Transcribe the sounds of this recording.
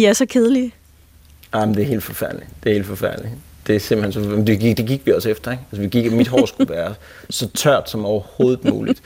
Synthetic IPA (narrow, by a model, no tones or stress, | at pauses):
iæsɒkʰeð̞ˠəli | ɑmnd̥e̝æɐhe̝ːld̥fɒ̽fæɐ̰d̥li̥d̥e̝he̝̰ːld̥fɒ̽fæɐ̰d̥li | d̥e̝æse̝mb̥l̩hensɒ̽d̥e̝ɡi̥d̥e̝ɡ̥iɡ̥ʋiɒ̽sefd̥ɐeɡ̥ælsəʋiɡ̥iɡ̥æmid̥ɦɒːsɡ̥uʋæːɐ | sɒ̽t͡sʰɶɐ̰d̥sɒ̽mɒʊɐho̝ːð̩ˠmṵːlid̥